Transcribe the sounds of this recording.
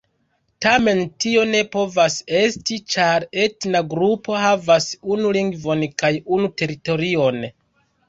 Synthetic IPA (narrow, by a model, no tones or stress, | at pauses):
tame̞ntio̞ne̞po̞vase̞stit͡ʃaɾe̞tnaɡɾupo̞havasunuliŋɡvo̞nkajunute̞ɾito̞ɾio̞n